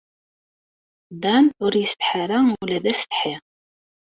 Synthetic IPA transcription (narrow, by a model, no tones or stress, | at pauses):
d̪ænʊɾjəst̪ħaɾaulæðæstə̥ħiʁ